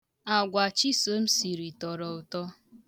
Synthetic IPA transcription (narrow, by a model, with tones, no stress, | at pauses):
a˨ɡʷa˨t͡ʃi˦so˨m̩˦si˨ɾi˨tɔ˨ɾɔ˨ʊ˨tɔ˦